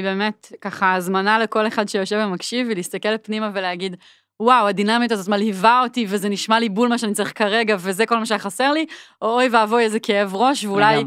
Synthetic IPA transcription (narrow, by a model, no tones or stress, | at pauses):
be̞ːmetkaχazmanaleko̞leχadʃejoʃevamakʃivelist̪akelpnimaveleaɡid | wawadinamitazotmalhivao̞tivezeniʃmalibulmaʃeanit͡saʁiχkaʁeɡavezeko̞lmaʃejaχaseʁliʔoojveavoezekee̞vʁo̞ʃveulaj